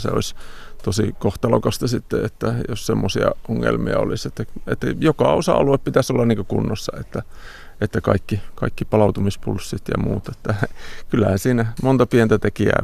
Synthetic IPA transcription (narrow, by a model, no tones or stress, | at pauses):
sḛo̰ist̪osikoht̪ɑlokɑst̪ɑsit̪ːeet̪ːæjossemːosiɑʔoŋːḛlmiɑo̰liset̪ːæḛt̪ːæ̰jokɑosɑ̰ɑ̰lueppit̪æsolːɑniŋkøkunːosːɑet̪ːæ | et̪ːækɑikːikɑikːipɑlɑut̪umispulsːit̪jɑ̰mṵːt̪e̥t̪ːækylːæhænsiːnæmont̪ɑpient̪æt̪ekiæ̰ː